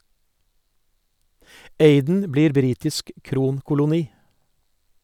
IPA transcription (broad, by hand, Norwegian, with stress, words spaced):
ˈeɪdn̩ ˈbliːɾ ˈbɾiːtɪsk ˈkɾuːnkʊlʊˌniː